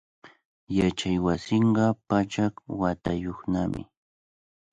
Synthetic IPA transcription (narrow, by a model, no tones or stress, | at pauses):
jat͡ʃajwasɪɴɢɑpat͡ʃakwat̪ajoχnamɪ̰